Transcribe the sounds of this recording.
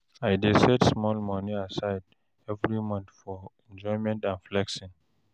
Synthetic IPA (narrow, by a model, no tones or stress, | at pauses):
ajdesɛtsmɔlmʌniasaɪd | ɛvɹimʌ̃nθfɔɛ̃nd͡ʒɔɪmɛ̃ntãnflɛkʃɔ̃n